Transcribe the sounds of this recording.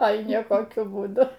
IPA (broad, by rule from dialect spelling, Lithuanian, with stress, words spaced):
ˈoːɪ nʲiɛkoːˈkʲʊ buːˈdʊ